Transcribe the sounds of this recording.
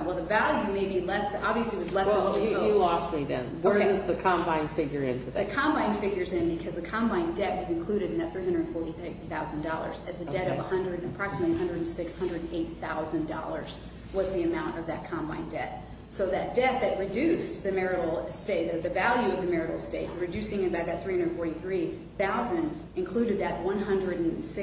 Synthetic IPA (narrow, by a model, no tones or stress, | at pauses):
wɛlˠðəvælˠjʉmeɪbilɛsɑbviɨsliwʌzlɛsojɨlɔst̚miðɨ̰̃nwə˞ʌzðɨkʰɑ̃mbãɪ̃nfɪɡjə˞ɪ̰̃ntʰʉððɨkʰɑ̃mbãɪ̃nfɪɡjə˞zɨ̃nbɨkʰʌzðɨkʰɑ̃mbãɪ̃ndɛʔ̚wʌzɨ̃nkʰl̥ʉɾɨɾɨ̃n̩ðɨt̪θɹiɦʌ̃ndəɨdⁿn̩fɔɹɾiθaʊz̃n̩dɔ̰lˠə̰˞zɨzɨdɛɾʌvəhʌ̃ndɹɨɾəpʰɹ̥ɑksm̩ətˡliəɦʌ̃ndɹɨɾn̩sɪkshʌ̃ndɹɨɾn̩eɪt̪̚θaʊzɨ̃ndɔ̰lˠə̰˞z̥ | wʌzðiɨmãʊ̃ntʌvðɨt̚kʰɑ̃mbã̰ɪ̃ndɛt̪̚ | soʊðɨt̚d̥ɛt̪̚ðɨt̚ɹɨdʉsðɨmɛɹɨɾl̩ˠsteɪtðɨðɨvælˠjʉʌvðɨmɛɹɨɾl̩ˠsteɪt̚ɹɨdʉsɪ̃ŋɨ̃nɨbaʊt̪̚ðɨt̪θɹihʌ̃ndə˞dn̩fɔɹɾiθɹi | θaʊzɨ̃nd | ɨ̃nkʰl̥ʉɾɨd̪̚ðɨt̚wʌ̃nɦʌ̃ndɹɨɾn̩sɪ